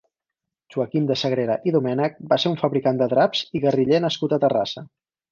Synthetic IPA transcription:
ʒuəkimd̪əsəɣɾeɾəʔiðumɛnək̚baseɾuɱfəβɾikand̪əðɾapz̥iɣəriʎenəskut̪ət̪ərasə

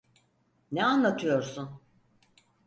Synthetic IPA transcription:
nɛanlˠat̪ʰɯjo̞ɾsun

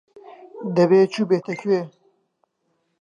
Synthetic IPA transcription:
d̪ɐbeːt͡ʃʰubeːt̪ʰɐkʰwe

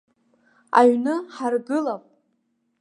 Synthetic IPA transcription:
a̰ɥnɨħarbɨlapʼ

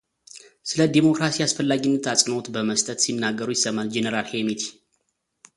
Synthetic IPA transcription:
sɨləd̪emo̞kɾasijasfəlːaɡinːət̪asʼɨno̞t̪bəməst̪ʼət̪sinːaɡːəɾujɪsːəmald͡ʒenəɾalhemit̪ʰi̥

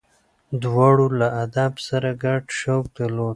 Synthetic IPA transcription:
d̪wɑɽolaad̪absaɾaɡaɖʃawk̚d̪əlod̪̚

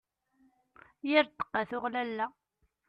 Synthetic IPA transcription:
jɪɾt̪ːə̥qːaθʊʁlælːæ

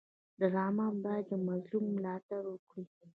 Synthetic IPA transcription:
d̪əɾɑmɑmbɑjad̪jəmazlumːlɑt̪aɾwəkɽi

